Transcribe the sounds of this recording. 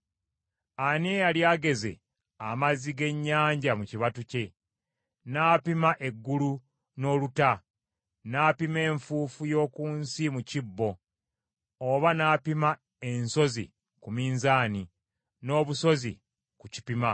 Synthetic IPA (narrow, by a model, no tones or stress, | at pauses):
anejaljaːɡe̞ze̞̰ | amaziɡe̞ɲːaːɲɟamuciβatuce̞ | naːpimaʔe̞ɡːulu | no̞ːluta | naːpime̞ːɱfuːfujo̞ːkuːnsimucibːo̞ | βanaːpima | e̞nso̞zḭ | kumiːnzaːni | no̞ːβuso̞zḭ | kuci̥pima